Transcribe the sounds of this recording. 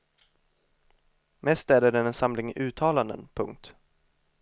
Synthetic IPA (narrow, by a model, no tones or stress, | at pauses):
mɛst̪æːd̪ɛɖɛnɛnsamlɪŋʔʉ̟ːt̪ʰɑːland̪ə̰npʰɵ̰ŋk̚t̪